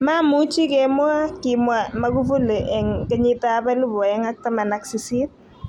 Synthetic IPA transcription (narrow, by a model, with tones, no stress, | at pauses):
ma˦mu˦t͡ʃi˦kɛmwa˦kimwa˦mɐ˦ku˦fu˦le˨ʔɛ˨ŋkɛ˦ɲɪ˦ta˦pa˦lu˦bɔ˨ɛ˦ŋa˦k̚ta˦ma˨na˨ksi˨si˦t̚